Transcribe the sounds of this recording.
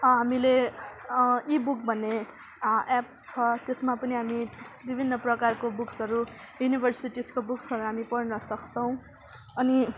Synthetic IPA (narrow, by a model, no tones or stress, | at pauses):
ɦamile | ibuk̚bʱʌnːe | ʔɛp̚ | t͡sʰʌt̪esmapʌniɦamibibʱinːʌprʌkarkobuksʌɾu | junibʱʌrsiʈiskobuksʌɾuɦamipʌrnʌsʌkt͡sʰʌw̃ | ʌni